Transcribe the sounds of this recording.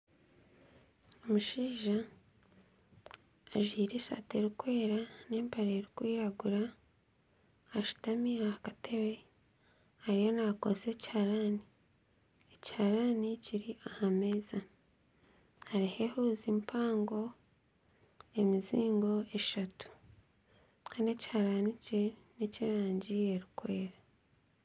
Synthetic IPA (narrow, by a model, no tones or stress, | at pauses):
omuʃiːʒa | ʒiːɾe̞ʃa̰te̞ɾikwe̞ːɾaneːmpaɾeɾikwiːɾaɡuɾa | ʃu̥tamiahakatʰe̞we̞ | haɾijo̞nakose̞ːci̥haɾani | eci̥haɾaniciɾiʔahame̞ːza | haɾihe̞huːzimpʰaːŋɡo̞ | e̞miziːŋɡo̞e̞ʃatu̥ | kʰaːndiecihaɾanice | neciɾaːɲɟie̞ɾikwe̞ːɾa